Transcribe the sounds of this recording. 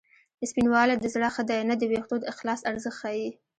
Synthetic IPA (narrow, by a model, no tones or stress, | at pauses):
d̪əspinwɑlad̪əzɽaxad̪ɑjnad̪əwext̪od̪əɪxlɑsaɾzəxtxɑji